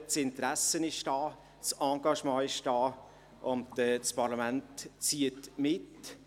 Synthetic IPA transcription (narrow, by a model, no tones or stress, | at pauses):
t͡sɪntɾɛsənɪʃd̥ɑː | sɑ̃ːɡɑʃmɑ̃ːɪʃd̥ɑː | ʔʊndɛt͡spʰɑɾlɑmæntːt͡siətmɪt